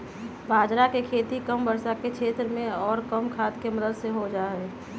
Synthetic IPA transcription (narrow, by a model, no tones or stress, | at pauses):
bʱaːd͡ʒɾakekʰeːt̪ikəmbəɾsakekt͡ʃʰeːt̪ɾəmẽɔːɾkəmkʰaːt̪keməd̪əd̪seɦod͡ʒaːɦeː